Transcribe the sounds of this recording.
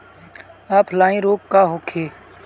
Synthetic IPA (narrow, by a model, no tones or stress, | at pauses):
aːpʰlaːĩːɾoːkkaːɦoːkʰeː